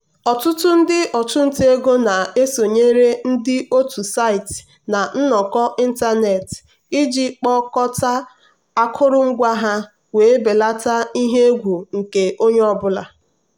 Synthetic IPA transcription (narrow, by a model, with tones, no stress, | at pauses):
ɔ˨tʊ˦tʊ˦n̩˦dɪ˦ʔɔ˨tʊ˦n̩˦te˦ɡo˦na˨e˦so˨ɲe˦ɾe˦n̩˦dɪ˦o˦tu˨sa˦ɪ˨t | na˨n̩˦nɔ˨kɔ˦i˦n̩˦ta˦ne˨t | ɪ˦d͡ʒi˦k͡pɔ˦kɔ˦ta˦ | a˦kʰʊ˦ɾʊ˦ŋ͡m̩˦ɡʷa˦ɦa˦ | we˨e˦be˨la˦ta˦i˦ɦe˦ɡʷu˨ŋ̩˨ke˨o˦ɲe˦ɔ˦bʊ˦la˨